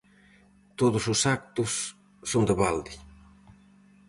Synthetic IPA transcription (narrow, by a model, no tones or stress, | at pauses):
t̪oðʊsʊsak̚t̪usː | ond̪əβald̪i